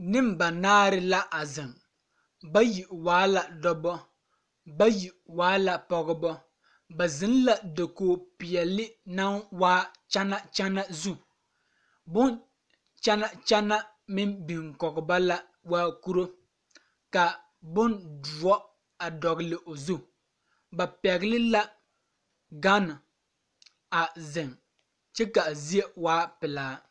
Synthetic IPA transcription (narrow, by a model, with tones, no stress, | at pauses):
nɪ˦mba˨naː˦ɾɪ˦la˦ʔa˨zɪ˨ŋ | ba˦ji˨waː˨˦la˨dɔ˦bɔ˦ | ba˦ji˨waː˨˦la˨pɔ˨ɣɪ˨bɔ˦ | ba˨zɪ˦n˦la˨do˨koː˨˦pɪ˨ɛ˨lɪ˦na˦nwaː˦t͡ʃa˦na˦t͡ʃa˦na˦zu˦ | bʊ˦n | t͡ʃa˦na˦t͡ʃa˦na˦ | mɪ˦mbi˨ŋkɔ˨ɡɪ˨ba˦la˦ | waː˦ku˦ɾo˦ | ka˨ | bʊ˦ndu˨ɔ˦ | a˨dɔ˨ɡɪ˨lɪ˨ʔo˨zu˦ | ba˨pɛ˨ɣɪ˦lɪ˦la˦ | ɡa˦na˨ | a˨zɪ˨ŋ | t͡ʃɛ˦ka˨zi˦e˦waː˦pɪ˨laː˦